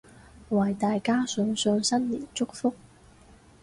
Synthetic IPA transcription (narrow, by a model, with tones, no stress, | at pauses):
wɐ˨˩jt̪aː˨jkaː˥sɵ˨˧ŋsœː˨˧ŋsɐ˥nliː˨˩nt͡sʊ˥k̚fʊ˥k̚